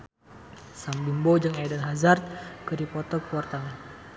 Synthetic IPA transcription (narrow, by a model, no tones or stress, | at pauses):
sambimbod͡ʒaŋadanɦazart̪̚kɨdipɔt̪ɔkuɔrt̪aŋ